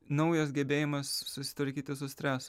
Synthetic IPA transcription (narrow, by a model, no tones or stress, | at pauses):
nɐʊjɐs̬ɡʲɛbʲeːjɪmɐssʊsʲɪ̥t̪ʋɐɾʲkʲiːt̪ʲɪsʊsʲt̪ʲɾʲæːsʊ